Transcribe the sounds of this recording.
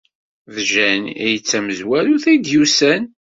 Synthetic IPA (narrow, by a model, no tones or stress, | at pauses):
ðʒænijət͡sːæməzwæluθæjd̪jusæn